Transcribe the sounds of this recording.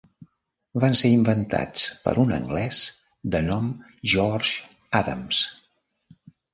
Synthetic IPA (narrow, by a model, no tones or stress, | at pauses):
βanseimbənt̪a̰t͡spə̰ɾʔunə̰ŋɡlɛs | d̪ənɔm | ʒɔrʒ | aðə̰ms